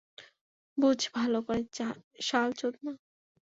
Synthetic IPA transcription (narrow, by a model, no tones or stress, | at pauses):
bud͡ʑʱbʱalokoɾeʃalt͡ɕot̪̚na